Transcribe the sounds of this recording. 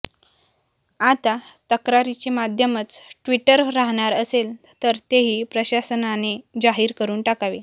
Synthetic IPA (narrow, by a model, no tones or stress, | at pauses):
at̪at̪əkɾaɾit͡ɕemad̪ʱjəmət͡sʈʋiʈəɾːaɦɳ̃aɾəsel | t̪əɾt̪eɦiːpɾəɕasənaned͡zaɦiːɾkəɾuːnʈakaʋe